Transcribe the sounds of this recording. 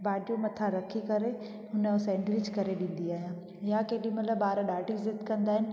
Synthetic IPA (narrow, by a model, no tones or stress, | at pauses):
baːɖiomɐt̪ʰaɾɐkʰikɐɾe | ɦʊnəsɛ̃ːɳɖɾɪd͡ʑkɐɾeɗĩːn̆d̪iaːɦijãː | jakeːɗimɐt̪ləbaːɾɗaːʈizɪt̪kɐ̃nd̪aːɦɪnɪ̆